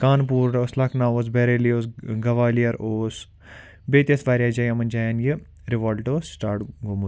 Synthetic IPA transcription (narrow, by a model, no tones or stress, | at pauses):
kaːnp̬uːɾoːslakʰnaːoːs̬beɾeːlioːsɡɐʋaːlijɐɾoːs | beːt̪jɐsʋaːɾjaːd͡ʒɐjamɐnʲd͡ʒaːjanji | ɾiʋoːlʈoːsʈaːʈɡomu